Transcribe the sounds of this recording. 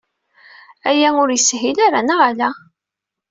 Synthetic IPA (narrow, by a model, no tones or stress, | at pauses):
æjæʊɾjəsɦilaɾanaʁalæ